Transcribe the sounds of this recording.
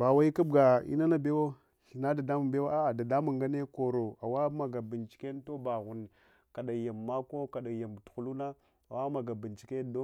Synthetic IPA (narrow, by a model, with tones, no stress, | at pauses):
ba˨wa˦i˦ka˦bɡa˨ḭ˦na˦na˦be˦wo˦ | ɬi˨na˦da˨da˦mu˨be˦wa˦a˦˨da˨da˦mu˨ŋɡa˦ne˦ko˨ɾo˨a˨wa˦ma˨ɡa˨bi˨nt͡ʃi̥˨ke˦n˦to˦ba˨ɣu˨n˨ | ka˨ɗa˨ja˨mːa˦ko˦ka˨ɗa˨ja˨m˨txu˨lu˦na˦ | a˨wa˦ma˨ɡa˨bi˨nt͡ʃi̥˨ke˦do˦